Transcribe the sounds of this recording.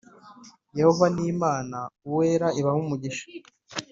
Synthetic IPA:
je̞ho̞vaniːmaːnauwe̞ːɾaiβahumuɟiʃḁ

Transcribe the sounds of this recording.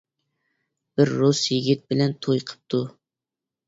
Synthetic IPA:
b̥ɪɾːusjɪɡʲit̪̚bɪlɛnt̪ʰojqʰə̥p̚t̪ʰu

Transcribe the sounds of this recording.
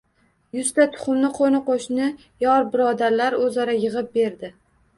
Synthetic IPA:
jʊst̪at̪ʰʊ̥χʊmnɪqʰonɪqoʃnɪ | jɒɾbɪɾɒd̪aɾlaɾɵzaɾajɨʁɨp̚be̞ɾd̪ɪ

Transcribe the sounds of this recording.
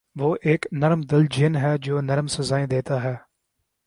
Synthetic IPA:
ʋoːʔeːknəɾmd̪ɪld͡ʒʱɪnɦɛːd͡ʒoːnəɾmsəzaːẽːd̪eːt̪aːɦɛː

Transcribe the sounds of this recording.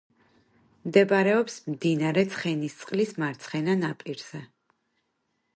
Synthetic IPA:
md̪ɛbaɾɛɔpsmd̪inaɾɛt̪sʰχɛnist̪sʼqʼlismaɾt̪sʰχɛnanapʼiɾz̥ɛ

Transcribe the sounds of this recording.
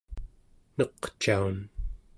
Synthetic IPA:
nʌqt͡ʃaun

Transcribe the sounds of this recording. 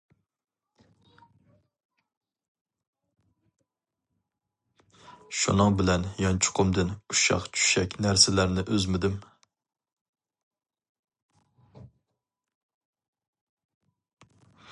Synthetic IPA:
ʃṵnɨŋbɪlɛnjɑnt͡ʃʰʊ̥qʰʊmd̪ɪnuʃɑ̰qt͡ʃʰy̥ʃɛkʲnæɾsɪlæɾnɪʔøzmɪd̪ɪm

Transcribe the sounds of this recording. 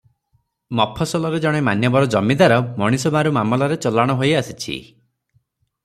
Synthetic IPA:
mɔpʰɔsɔlɔɾed͡ʒɔɽ̃emanjɔbɔɾɔd͡ʒɔmid̪aɾɔmɔɽ̃isɔbaɾumamɔlaɾet͡ʃɔlaɽ̃ɔɦojasi̥t͡ʃʰḭ

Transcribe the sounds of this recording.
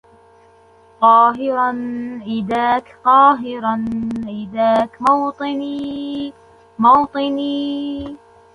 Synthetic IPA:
q̪ˤɑːɦɪɾɑnʔɪd̪aːkqɑːɦɪɾɑnʔɪd̪aːkmɑwt̪ˤɨni | mɑwt̪ˤɨniː

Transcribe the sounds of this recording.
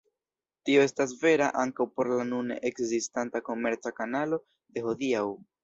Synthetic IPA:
tio̞e̞stas̬ve̞ɾaʔaŋkawpo̞ɾlanunḛʔekzistantako̞me̞ɾt͡sakanalo̞ | de̞hodiaw

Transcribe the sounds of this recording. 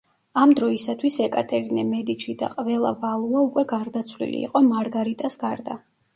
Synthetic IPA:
amd̪ɾɔisat̪ʰwisɛkʼat̪ʼɛɾinɛmɛd̪it͡ʃʰid̪a̰qʼvɛlˠa̰valˠuaukʼwɛɡaɾd̪at̪sʰvlḭlḭːqʼɔmaɾɡaɾit̪ʼasɡaɾd̪a

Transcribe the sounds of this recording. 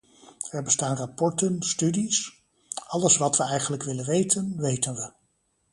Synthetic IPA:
ɛɹbəstaːnrapɔɹtənstydis | ʔɑləsʋɑtʋəɛjχənləkʋɪlənʋejtənʋejtənʋə

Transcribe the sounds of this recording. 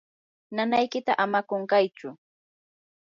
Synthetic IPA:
nanajkɪt̪aʔamakoɴkajt͡ʃʊ

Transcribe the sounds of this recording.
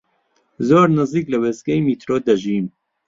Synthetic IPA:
zoːɾnɨziːklɐweːsɡɐjmiːt̪ɾoːd̪ɐʒiːm

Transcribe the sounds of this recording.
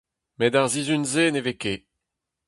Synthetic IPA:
medaʁzizynzeːneveke

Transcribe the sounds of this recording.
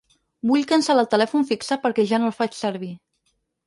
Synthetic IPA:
buʎkənsaəlˠt̪əlɛfunfiksəpəɾkɛʒanolˠfat͡ʃsəɾβ̞i

